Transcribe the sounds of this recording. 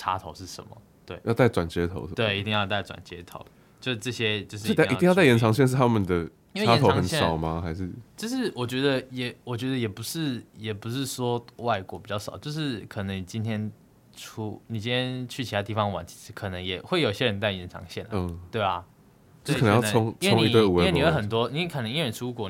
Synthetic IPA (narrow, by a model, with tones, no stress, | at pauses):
ʈ͡ʂʰa̰˥t̪ʰo˧˥ʊʂɻ̩˥˩ʂə̰˧˦nmə̰˦ | t̪we˥˩ɪjɑ˥˧ʊt̪a˥˩ɪʈ͡ʂwa˨˩nt͡ɕjɛ˦˥t̪ʰo̰˧˦ʊ˧t̪we˥˩˥ɪi˧t̪i˥˧ŋjɑ˥˧ʊt̪̬a˥˩ɪʈ͡ʂwa̰˨˩nt͡ɕjɛ̰˥t̪ʰo̰˧˦ʊ | t͡ɕjo˥˧ʊʂ̩˥˧ʈ͡ʂɤ˥˩ɕjɛ˥t͡ɕjo˥˧ʊʂ̬ɻ̩˥˧˥i˥˧jt̪a˥˩ɪjɛ˧˦nʈ͡ʂʰɑ˧˥ŋɕjɛ˥˧nʂ̬̩˥˩t̪ʰa˦˥mə˨nd̪ə˩ | i˥wa˦˥tnʰo˦ʊɑ˧əŋ˨˦nɕjɛ˥ʂɑ˨˩ʊma˨xa˧˥ɪʂɻ̩˥˩t͡ɕjo˥˧ʊʂɻ̩˥˩wɔ˨˩t͡ɕɥɛ˧˥d̪ə˧jɛ˨˩˦wɔ˨˩t͡ɕɥɛ˧˥d̪ə˧jɛ˨˩pu˧˦ʂɻ̩˥˩jɛ˨˩pu˧˦ʂɻ̩˥˩ʂwɔ˥wa˥˩ɪkwɔ˧˥pi˨˩t͡ɕɑ˥˩ʊʂɑ̰˨˩ʊt͡ɕjo˥˧ʊʂɻ̩˥˩kʰə˨˩nə˧˦ŋni˨˩t͡ɕi˥nt̪ʰjɛ˥n | ʈ͡ʂʰu˥ni˨˩t͡ɕĩ˦nt̪ʰjɛ˥nt͡ɕʰy˥˩t͡ɕʰi˧˥a˧˥t̪i˥˩fɑ˦ŋwa̰˨˩˦nt͡ɕʰi̥˧˥ʂɻ̩˧˥kʰɤ˨˩nə˧˦ŋjɛ˨˩xwe˥˩ɪjo˨˩ɕjɛ˦˥ɻə˧˦nt̪a˥˩ɪjɛ˧˥nʈ͡ʂʰɑ̰˧˦ŋɕjɛ˥˩n˦˧t̪we˥˩ɪɐ˩ | t͡ɕo˥˧˥kʰj̪ʰʊ˦˥ŋt͡sʰwe˥ʊ˦ŋ˩i˧˨˧t̪wu˨˧˥nni˨˩o˧˥xə˨˩nt̪wɔ˦ni˨˩kʰə˨˩nə˧˦ŋi˥ɻə˧˥nʈ͡ʂʰu˥kwɔ˨˩˦